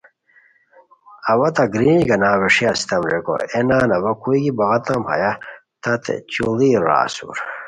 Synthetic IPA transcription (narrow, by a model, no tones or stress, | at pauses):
ɐwɐt̪ɐɡɾĩːnɡɐnaːweʂiɐsi̥t̪ɐmɾeko̰enaːnɐwɐkuiɡibɐɣɐt̪ɐmhɐ̰ja | t̪ɐt̪ʰḛt͡ɕuliɾa̰ːsṵɾ